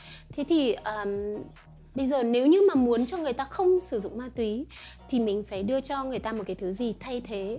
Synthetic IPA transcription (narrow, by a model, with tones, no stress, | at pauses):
t̪ʰe˨˦t̪ʰi˨˩ʔəː˨˩m | ɓə˧jzəː˨˩ne˨˦wɲɨ˧maː˨˩mu˨˦ənt͡ɕɔ˧ŋɨ˨˩əjt̪aː˧xə˧wŋ͡msɨ˧˩zʊ̰˧˨ŋ͡mmaː˧nt̪wi˨˦ | t̪ʰi˨˩mï˨˩ŋ̟faː˧˩jɗɨ˧ət͡ɕɔ˧ŋɨ˨˩əjt̪aː˧mo˨˩t̚kaː˨˦jt̪ɨ˨˦zi˨˩t̪ʰa˧jt̪ʰe˨˦